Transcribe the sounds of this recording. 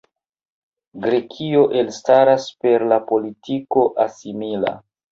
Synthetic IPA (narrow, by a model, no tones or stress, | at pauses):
ɡɾe̞kʰio̞ʔe̞lstaɾaspe̞ɾlapo̞litʰiko̞ʔasimila̰